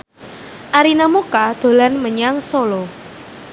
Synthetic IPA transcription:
ʔaɾinamokad̪̥o̤lanməɲaŋsolɔ

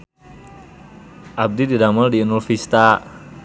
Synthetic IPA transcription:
ʔab̚dididaməldiunulfist̪a

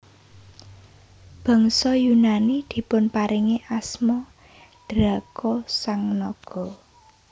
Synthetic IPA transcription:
b̥ɔ̤ŋsɔjunanid̪̥i̤pʊnpaɾiŋeʔasmɔ | ɖ̪̥ɾakɔsaŋnɔɡ̥ɔ

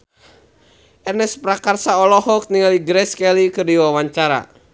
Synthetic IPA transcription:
ʔɛrnɛspɾakarsaɔlɔɦɔk̚niŋaliɡɾɛskɛlikɨrdiwawaɲt͡ʃaɾa̰

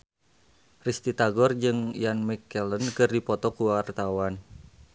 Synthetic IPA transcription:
rist̪it̪aɡɔrd͡ʒɨŋjanmikɛlənkɨrdipɔt̪ɔkuwart̪awan

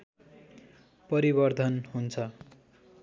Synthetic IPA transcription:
pʌɾibʌrd̪ʱʌnɦunt͡sʰʌ

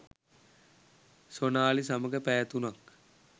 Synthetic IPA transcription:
sonaːlisaməɡəpæːt̪unak

